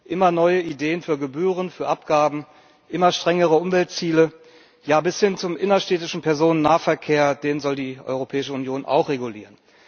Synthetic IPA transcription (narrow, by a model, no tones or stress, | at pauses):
ʔɪmɐnɔʏəideːənfyːɐɡəbyːʁ̞ənfyːɐʔapɡ̥aːbm̩ | ʔɪmɐʃtʁ̥ɛŋəʁ̞əʊmvɛlt̚t͡siːlə | jaːbɪshɪnt͡sʊmʔɪnɐʃtɛːtɪʃn̩pʰɛɐzoːnənːaːɐfɛɐkʰeːɐdeːnənzɔldiːʔɔ̰ʏʁ̞opʰɛːɪʃəʊnjoːna̰ʊxʁeɡuliːʁən